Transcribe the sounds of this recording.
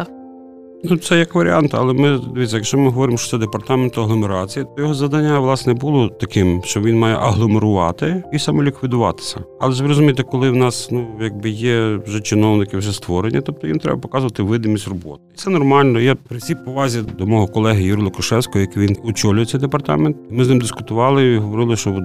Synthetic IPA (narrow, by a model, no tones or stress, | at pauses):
nut̪sɛjɐkʋɐɾʲḭɑnt̪ɐ̰lˠɛmɪd̪eʋʲitʲt͡sʲːɐjɐkt͡ʃɔmɪɦɔʋɔɾʲɪmʃt͡ʃɔ̥sɛd̪epɐrt̪ɑment̪ʊɐɦlˠɔmeɾɑt͡sʲijɐt̪ɔjɔɦɔzɐd̪ɐnʲːaʋlˠɑsnɛbulˠɔt̪ɐkɪmʃt͡ʃɔʋinmɑjɛ̰ʔɐɦlˠɔmeɾʊʋɑ̰t̪ɪisɑmɛlʲikʋʲid̪ʊʋɑ̰t̪ɪ̥sʲɐɐlˠɛzʋɾɔzʊmʲijt̪ɪkɔlˠɪwnɑsnujɐɡ̚bɪjɛwʒɛt͡ʃɪnɔwnɪkɪwʒɛst̪ʋɔɾenʲːɐt̪ɔp̚t̪ɔʋint̪ɾɛ̰bɐpɔ̥kɑzʊʋɐt̪ɪʋɪd̪ɪmʲisʲtʲrɔbɔ̰t̪it̪sɛnɔrmɑlʲnɔjapɾɪsʲippɔʋɑzʲid̪ɔmɔɦɔkɔlˠɛɦɪjuɾʲlˠʊkɐʃɛwsʲkɔɦɔjɐkɪʋʲinɔt͡ʃɔlʲʊjɛsʲɛjd̪epɐrt̪ɑ̰ment̪imɪznɪmd̪ɪskʊt̪ʊʋɑlˠɪɦɔʋɔɾɪlˠɪʃt͡ʃɔ